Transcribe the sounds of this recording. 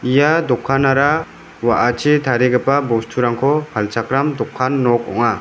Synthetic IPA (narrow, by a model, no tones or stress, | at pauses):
ijad̪ɔkʰːanaɾa | waʔat͡ʃʰit̪ʰaɾiɡəpabɔstʰuɾaŋkʰɔpʰalt͡ʃʰakɾamd̪ɔkʰːanːɔk̚ɔ̰ŋa